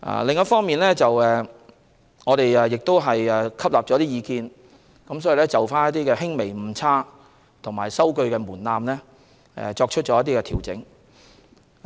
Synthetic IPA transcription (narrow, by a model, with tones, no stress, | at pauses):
ʔa̰ː˨lɪ˨ŋjɐ˥tfɔː˥ŋmiː˨nlɛː˥t͡sɐ˨wɛ˨ | ŋɔː˨˧ɾe˨jɛː˨jɪ˨k̚t̪o˥wɦɐ˨jɛː˨kʰɐ˥p̚laː˨p̚t͡ʃɔː˨˧˥t̪iː˥jiː˨˧kiː˧n | kɐ˨˥msɔː˨˥ji˨lɛː˥t͡sɐ˨wfaː˥njɐ˥t̪̚iː˥kɛː˧ɦɪ˥ŋme˨˩jm̩˨˧t͡sʰaː˥ | t̪ʰʊ˨˩ŋma̰ː˨˩jsɐ˥wkɵ˧ɥkɛː˧muː˨˩nlaː˧mlɛː˥ | ɛ̰˨t͡ʃɔː˧k̚t͡ʃʰɵ˥t̚t͡ʃɔː˨˧jɐ˥t̪̬ːiː˥kɛː˧t̪ʰiː˨˩wt͡sɪ̰˨˥ŋ